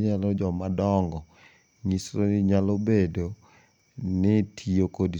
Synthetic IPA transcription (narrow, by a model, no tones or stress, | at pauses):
alɔd͡ʒɔmadɔŋɡɔ | ŋisɾonɪɲalobedo | nɪtʰiokod